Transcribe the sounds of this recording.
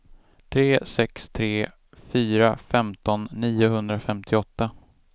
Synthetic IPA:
t̪ʰɾeːsɛkst̪ʰɾeː | fyːɾafɛmt̪ɔnːiːʊɦɵnd̪ɾafɛmt̪ʰɪɔt̪ːa

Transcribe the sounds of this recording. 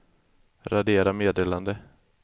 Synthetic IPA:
ɾad̪eːɾameːd̪eːland̪ə

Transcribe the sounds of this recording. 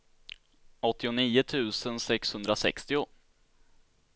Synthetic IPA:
ɔt̪ːɪʊniːʊt̪ʰʉ̟ːsənsɛkshɵnd̪ɾasɛ̰kst̪ɪʊ

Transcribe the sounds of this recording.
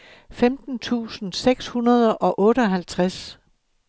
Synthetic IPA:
femd̥n̩t͡sʰṵːsn̩seɡ̥shunɐð̞ˠəʔɒ̽ʔɔ̽ːɾəɒ̽ɦælt͡sʰʁas

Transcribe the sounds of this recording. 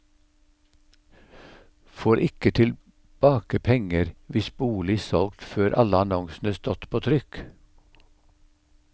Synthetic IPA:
foːɾʔɪkət̪ʰɪl | b̥ɑːkəpʰɛŋəɾʋɪsbuːlɪsɔlɡt̪føːɾʔɑləɑnɔŋsn̩əst̪ɔt̪pʰoːt̪ʰɾʏk

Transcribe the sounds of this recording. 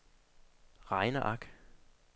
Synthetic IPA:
ʁɑɪnɐʔɑɡ̥

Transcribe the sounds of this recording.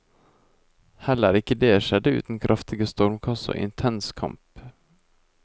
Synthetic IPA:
hɛlːæːɾɪkːəd̪eːʃɛd̪əʉ̰ːt̪n̩kʰɾʔɑft̪ʰɪɡəst̪ɔɾmkʰɑsə̰ʔɪ̰nt̪ʰɛnskʰɑ̰mp

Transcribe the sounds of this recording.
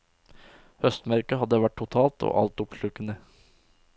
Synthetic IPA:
hœst̪mæɾkəhɑd̪ːəʋæʈ̚ʰʊt̪ʰɑːlt̪ʰo̰ːʔɑ̰lt̪ʊpʃʉkənə

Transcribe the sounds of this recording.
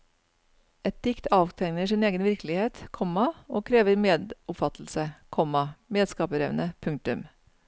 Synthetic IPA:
ɛt̪̚d̪̥ɪkt̪ʰɑːʋt̪ʰɛŋnəʂɪneːɡənʋɪɾkəlɪheːt̪kʰɔmɑoːkʰɾeːʋəɾmeːd̪ʊpfɑt̪ʰl̩səkʰɔmɑmeːd̪skɑːpəɾɛʋnəpʰʉŋ̚t̪ʉm

